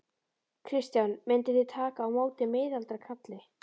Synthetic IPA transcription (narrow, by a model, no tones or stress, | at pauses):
kʰɾɪst̪janmɪnt̪ɪθɪt̪ʰaːkaːwmoːwt̪ɪmeːjðalt̪ɾakʰat̪lɪ